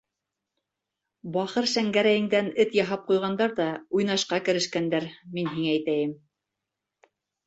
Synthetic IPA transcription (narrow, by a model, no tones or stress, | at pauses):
bɑχɤɾʃæŋɡæɾæjɘ̆ŋd̪ænɘt̪jɑɦɑp̚qujʁɑnd̪ɑɾðɑujnɑʃqɑkɘ̆ɾɘ̆ʃkænd̪æɾminɦiŋæːjt̪æjɘm